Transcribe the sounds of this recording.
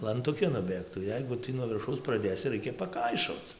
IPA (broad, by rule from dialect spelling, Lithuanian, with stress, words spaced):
lˠɐntʊˈkʲɪ nʊˈbʲeːktuː ˈjɛɪɡʊ ˈtʲiː nuɔ ʋʲɪrˈʃɐʊs prɐˈdʲeːsʲɪ ˈrɐɪkʲɛ pɐˈkɐɪʃoːt͡s